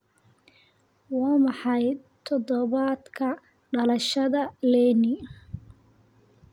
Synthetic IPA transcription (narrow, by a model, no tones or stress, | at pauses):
wɑːmɑħɑj | t̪ʰɔðɔβad̪kʰɐ | ɖɐlɐʃɐðɐlɛːnɪ